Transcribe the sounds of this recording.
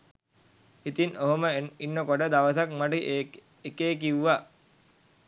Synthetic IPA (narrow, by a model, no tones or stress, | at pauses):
it̪inoɦoməinːəkoɖəd̪aʋəsakmaʈə | ekeːk̬iwːa